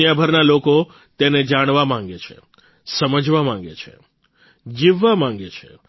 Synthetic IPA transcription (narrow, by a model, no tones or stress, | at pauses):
jabʱəɾnaloko | t̪ened͡ʒaɽ̃ʋamãŋ̆ɡet͡ʃʰḛ | səməd͡ʒʋamãŋ̆ɡḛt͡ʃʰḛ | d͡ʒiʋːamãŋɡet͡ʃʰḛ